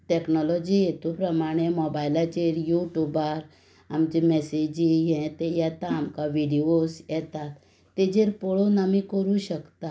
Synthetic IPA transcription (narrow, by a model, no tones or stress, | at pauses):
ʈɛknɔlɔd͡ʑijet̪upɾəmaɽ̃emɔbailat͡ɕeɾjuʈjubaɾ | amt͡ɕimɛsed͡ʑijɛ̃t̪ejɛt̪aːmkaʋiɽiosjɛt̪at̪ː | ed͡ʑeɾpɔɭonamikəɾũɕəkt̪a